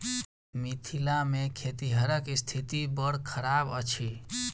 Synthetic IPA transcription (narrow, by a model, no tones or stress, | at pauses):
mit̪ʰilamẽkʰet̪iɦəɾəkst̪ʰit̪ibəɽ̤kʰəɾabət͡ʃʰi